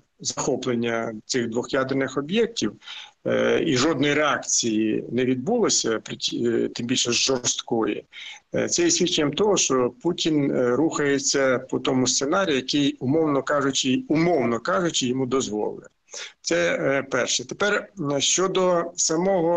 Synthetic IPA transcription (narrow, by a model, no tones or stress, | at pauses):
zɐxɔplˠenʲːɐt̪sɪɣd̪ʋɔxjɑd̪ɪrnɪxɔbʲjɛk̚tʲiw | iʒɔd̪nɔjɾeɑkt͡sʲijḭnɛʋʲid̪̚bulˠɔsʲɐpɾtʲit̪ɪmbʲilʲʃɛzʒɔst̪kɔjɛ̰t̪sɛjɛsʲʋʲit͡ʃɪnʲːɐmt̪ɔɦɔʃt͡ʃɔputʲinɾuxɐjet͡sʲːɐpɔt̪ɔmʊst̪senɑɾʲijjɐkɪjʊmɔwnɔkɑʒʊt͡ʃɪʊmɔwnɔkɑʒʊt͡ʃɪjɔmud̪ɔzʋɔ̰lˠɪ | t̪sɛpɛrʃɛt̪epɛrʃt͡ʃɔd̪ɔsɐmɔɦɔ